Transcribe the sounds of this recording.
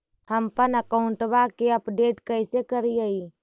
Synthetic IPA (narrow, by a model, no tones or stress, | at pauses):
həmpənəkaʊ̃ɳʈbakeəpɖeːʈkəɪsekəɾiaiː